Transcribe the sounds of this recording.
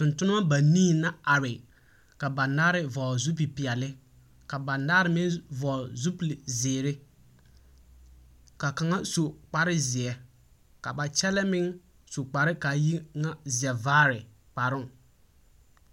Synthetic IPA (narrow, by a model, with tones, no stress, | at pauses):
tʊ̃˨ntʊ˦nʊ˦a˦ba˨niː˦˨na˦a˨ɾɪ˨ | ka˨ba˨naː˦ɾɪ˦vɔː˨zu˦p̬i˨pɪ˨a˨lɪ˦ | ka˨ba˨naː˦ɾɪ˨mɪ˦vɔ˨zu˦plɪ˨zɪː˨ɾɪ˦ | ka˨ka˨ŋa˦so˨k͡pa˨ɾɪ˦zɪ˨ɛ˨ | ka˨ba˨t͡ʃɛ˦lɛ˦mɪ˦ŋ | so˨k͡pa˨ɾɪ˦ka˨ji˦ŋa˦zɪ˨ɛ˨vaː˦ɾɪ˨ | k͡pa˨ɾʊ˦˨ŋ˨